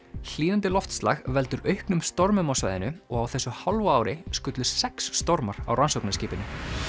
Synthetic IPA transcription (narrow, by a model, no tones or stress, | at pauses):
l̥iːnant̪ɪlɔft̪st̪la̰ɣvɛlt̪ʏɾœɥhknʏmst̪ɔɾmʏmawsva̰ːjðɪ̰nʏɔɣawθɛsːʏhalvaaːwɾɪskʏt̪lʏ̥sɛksːt̪ɔɾmaɾ̥a̰wransowknasciːpɪnʏ